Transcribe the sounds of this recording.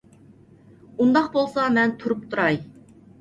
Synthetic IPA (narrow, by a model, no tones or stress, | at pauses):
und̪ɑqbolˠsɑmɛnt̪ʰuɾup̚t̪ʰuɾɑj